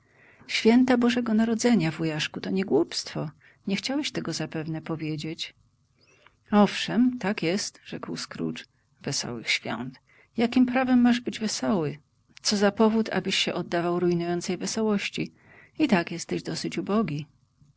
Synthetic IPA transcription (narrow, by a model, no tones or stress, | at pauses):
ɕfʲjɛnt̪abɔʐɛɡɔnaɾɔd̪zɛɲavujaʂkut̪ɔɲɛɡwupst̪fɔ | ɲɛxt͡ɕawɛɕt̪ɛɡɔzapɛvnɛpɔvʲjed͡ʑet͡ɕ | ɔfʂɛmt̪akjɛst̪ʐ̥ɛkwskɾṵt͡ʂ | vɛsɔ̰wɘ̰xɕfʲjɔ̰nt̪ | jakʲimpɾavɛmːaʐbɘd͡ʑvɛsɔwɘ | t̪sɔzapɔvut̪ʰa̰bɘɕːɛʔɔd̪ːavawɾujnujɔnt̪sɛjvɛsɔwɔɕt͡ɕi | it̪akjɛst̪ɛʑd̪ɔsɘt͡ɕubɔɡʲi